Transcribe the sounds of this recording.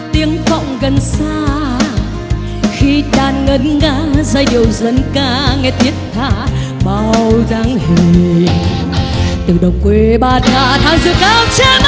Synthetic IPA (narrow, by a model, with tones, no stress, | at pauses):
t̪i˨˦əŋfɔ̰˧˨wŋ͡mɣə˨˩nsaː˧ | xi˧ɗaː˨˩nŋə˨˦nŋaː˧˦zaː˧˩jɗi˨˩əwzə˨˦nkaː˧˩ŋɛ˧˩t̪ʰi˦˥ət̚t̪ʰaː˧˩ | ɓa˧˩wzaː˨˦ŋhi˨˩ŋ | t̪ɨ˨˩ɗə˨˩wŋ͡m̚kwe˨˦ɓaː˧˩n̚ŋaː˧˩t̪ʰaː˨˧˦ŋzɨ̰˧˨kaː˧˦wt͡ɕɛ˧˦m